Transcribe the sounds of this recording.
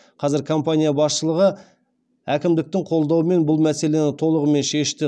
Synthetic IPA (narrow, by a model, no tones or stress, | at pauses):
qʰɑzɪɾkʰo̞mpanʲijabɑsʃəlˠəʁə | ækʲɪmd̪ɪk̚t̪ɪɴqʰo̞lˠd̪ɑwəme̞nbʊlˠmæse̞le̞nɪt̪ʰo̞lˠəʁəme̞nʃe̞ʃt̪ɪ